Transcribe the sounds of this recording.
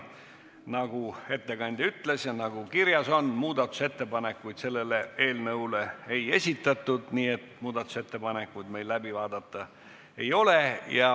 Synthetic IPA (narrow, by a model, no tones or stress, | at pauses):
nɑɡ̥ue̞t̪ːe̞kɑnʲd̪̥ʲeyt̪lesjɑnɑɡ̥ukiɾjɑso̞nmuːd̪̥ɑt̪ːˑu̥se̞t̪ːe̞pɑne̞kːujd̪̥se̞lːe̞le̞e̞ːlnɤwleeje̞sʲit̪ːˑɑt̪ːˑud̪̥niːe̞t̪muːd̪̥ɑt̪ːˑu̥se̞t̪ːe̞pɑne̞kːˑujd̪̥me̞jlːæbivɑːd̪ɑt̪ːɑ | e̞jo̞le̞jɑ